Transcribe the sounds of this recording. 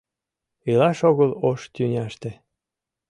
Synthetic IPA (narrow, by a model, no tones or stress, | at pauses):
ilɑʃoɣəloʃt̪ʲynʲɑʃt̪e